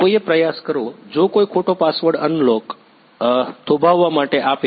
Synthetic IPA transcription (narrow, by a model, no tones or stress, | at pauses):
koiepɾəjaskəɾʋod͡ʒokoikʰoʈopasʋəɽənlok | t̪ʰobʱaʋːamaʈeʔape